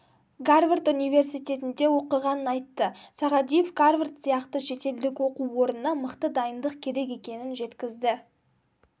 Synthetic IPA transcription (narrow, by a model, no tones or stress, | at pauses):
ɡarvert̪unijve̞rsijt̪ʲe̞t̪ɪnd̪e̞wo̞qəʁɑnənɑjt̪ːəsɑʁɑd̪ijefɡarvrt̪sijɑqt̪əʃe̞t̪e̞ld̪ɪkwo̞quwo̞ɾənənɑməqt̪əd̪ɑjənd̪əq̚kʲʰe̞ɾe̞k̬e̞kʲe̞nɪnʒe̞t̪kʲɪzd̪ɪ